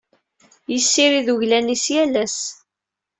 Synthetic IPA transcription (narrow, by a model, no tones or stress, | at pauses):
jəsːiɾiðuʝlænisjælæs